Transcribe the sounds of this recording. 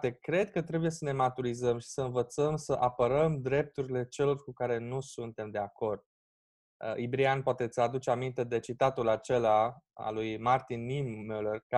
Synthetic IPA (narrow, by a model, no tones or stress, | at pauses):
t̪e̞kɾe̞d̪kət̪ɾe̞bujesəne̞mat̪uɾizəmʃi̥səɨnvət̪səmsəʔapəɾəmd̪ɾe̞p̚t̪uɾile̞t͡ʃe̞lo̞rkukaɾe̞nusunt̪e̞md̪e̞ako̞rd̪̚ | ibɾianpoat̪e̞t̪sʲad̪ut͡ʃeamint̪e̞d̪e̞t͡ʃit̪at̪ulat͡ʃe̞laa̰lujmart̪inːimːelerk